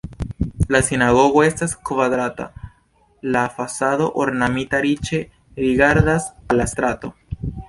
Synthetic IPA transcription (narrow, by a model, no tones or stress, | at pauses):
lasinaɣo̞ɣoe̞staskvaðɾat̪a̰ | lafasaðo̞ʔoɾnamit̪aɾit͡ʃe | ɾiɣaɾðasalast̪ɾat̪o̞